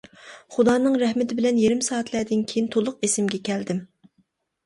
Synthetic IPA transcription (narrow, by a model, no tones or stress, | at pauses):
χud̪ɑːnɨŋɾɛhmɪt̪ʰɪbɪlɛnjeɾɪmsɑːɛt̪ʰlɛd̪ɪnkʲʰejint̪ʰolˠʊq̚esɪmɡʲɛkʲʰɛld̪ɪm